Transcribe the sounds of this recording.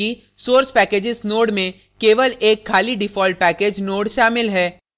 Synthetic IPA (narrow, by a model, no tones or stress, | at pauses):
i | soːɾspɛːkeːd͡ʒɪsnoːɽmẽ | keːʋəleːkʰːaːliɖɪfɔːlʈ̚pɛːkeːd͡ʒnoːɽʃaːmɪlɦɛː